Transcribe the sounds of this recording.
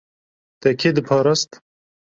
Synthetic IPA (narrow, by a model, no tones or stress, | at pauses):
t̪ɐkʰed̪ɨpʰɑːɾɐst̪